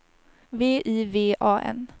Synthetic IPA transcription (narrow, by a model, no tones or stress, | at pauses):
veːʔiːveːʔɑːʔɛ̰n